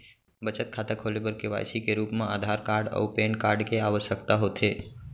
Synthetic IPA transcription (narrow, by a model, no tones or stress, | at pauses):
bət͡ʃət̪̚kʰaːt̪akʰoːlebəɾkeʋa̰ːjsikeɾuːpmãaːd̪ʱaːɾkaːɾɖɔ̰peːnkaːɾɖkeaʋəʃəkt̪aɦoːt̪ʰeː